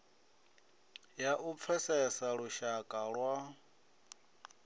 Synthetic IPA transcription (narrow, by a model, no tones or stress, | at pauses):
jaʔup̪fʰɛsɛsaɺuʃakʼaɺwa